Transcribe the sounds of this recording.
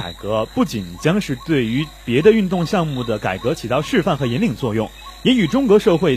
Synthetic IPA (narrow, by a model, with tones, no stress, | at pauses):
a˨˩ɪkɤ˧˥pu˥˩t͡ɕi˨˩nt͡ɕjɑ˥ŋʂɻ̩˥˧t̪we˥˩ɪy˧˥pjɛ˧˥d̪ə˧y˥˧nt̪ʊ˥˧ŋɕjɑ˥˧ŋmu˥˩d̪ə˩ka˨˩ɪkɤ˧˥t͡ɕʰi˨˩t̪ɑ˥˧ʊʂɻ̩˥˧fa˥˩nxɤ˧˥jɛ˧˥nli˨˩ŋə˩t͡swɔ˥˧jʊ˥˩ŋjɛ˧˥ny˨˩ʈ͡ʂʊ˥ŋkɤ˧˥ʂɤ˥˧xwe˥˩ɪ